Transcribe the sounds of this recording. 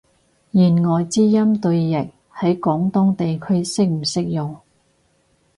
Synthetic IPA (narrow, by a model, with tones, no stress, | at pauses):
jiː˨˩nŋɔː˨jt͡siː˥jɐ˥mt̪ɵ˧ɥːɪ˨k̚ | hɐ˨˥jkɔː˨˥ŋt̪ʊ˥ŋt̪e˨jkʰɵ˥ɥsɪ˥k̚m̩˨˩sɪ˥k̚jʊ˨ŋ